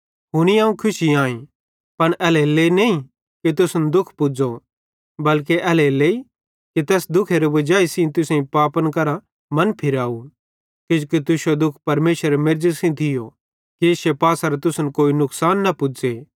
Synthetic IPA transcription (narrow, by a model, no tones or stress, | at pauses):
ɦʊñiaːũkʰʊsiãːĩ | pɐɽ̃ɛːleleːneĩ | kit̪̬ʊsənd̪ʊkʰpʊd͡zo | bɐlk̬eʔɛːleleːi | kit̪ɛːsd̪ʊkʰeɾebɐd͡ʒaːisĩt̪ʊsẽĩpaːpənkɐɾa | mɐ̃npʰɪɾaːu | kɪd͡ʒokit̪ʊʃod̪ʊkʰpɐɾmeːʃəɾemeɾd͡ʒəsĩt̪ʰɪjo | kiɪsepaːsaɾet̪ʊsənkoːinʊksaːnːɐpʊd͡zeː